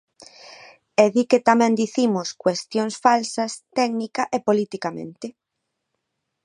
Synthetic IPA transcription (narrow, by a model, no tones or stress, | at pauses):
eðiket̪amɛ̃nd̪iθimʊskwest̪joŋsfalsɐst̪ɛɡnikɐʔepolit̪ikamḛ̃nt̪ɪ